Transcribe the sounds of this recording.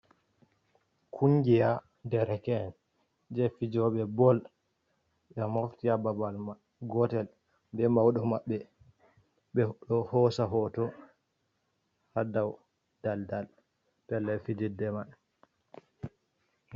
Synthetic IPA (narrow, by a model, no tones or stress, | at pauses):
kʰuŋɡija | dɛɾɛkɛːn | d͡ʒɛfid͡ʒɔɓɛbɔl | ɓɛmoftiababalma | ɡɔtɛl | bɛmawɗɔmaɓːɛ | ɓɛɗɔhɔsaɦɔtɔ | hadaw | d̥aldal | pɛlːɛfid͡ʒidɛmaɗ